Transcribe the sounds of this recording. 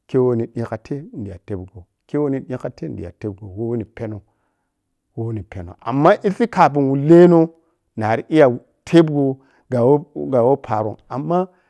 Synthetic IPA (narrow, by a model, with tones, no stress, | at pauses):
ke˦wo˦ni˨ɗi˦ka˨tʰe˦n̩˨di˨ja̰˨te˦bɡo˨ | ke˦wo˦ni˨ɗĩ˦ka˦tʰe˦n˨dḭ˨ja̰˨te˦b̚ɡo˨wo˦wni˨pe˦no˨ | wo˦wu˦ni˨pe˨no̰˨ʔa̰˨mːa˦ʔi˦si˦ka˨bi˨nwu˨le˦no˦ | na˨ɾi˦˨i˦ja˨ | tʰe˦bɡo˦ | ɡa˨wo˦ɡa˨wo˦pʰa˨ɾo̰˨ŋa˨mːa˦